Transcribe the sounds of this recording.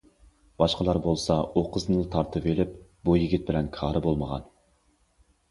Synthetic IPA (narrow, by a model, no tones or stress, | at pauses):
b̥ɑʃqəlˠɑɾbolˠsɑoqʰəznɨlˠɨt̪ʰɑɾt̪ʰɨpelɪp̚bujiɡʲit̪̚bɪlɛnkʰɑːɾɨbolˠməʁɑ̰n